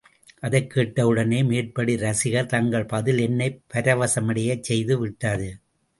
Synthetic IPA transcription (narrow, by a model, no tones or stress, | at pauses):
ʔɐðɐɪkːeːʈːɐʋɯɽɐneːmeːʈ̚pɐɽiɾɐsɪɣɐɭt̪ɐŋɡɐɭpɐðɪlɛnːɐɪpːɐɾɐʋɐsɐmɐɽɐjɐt͡ʃsɛjðɯʋɪʈːɐːðɯ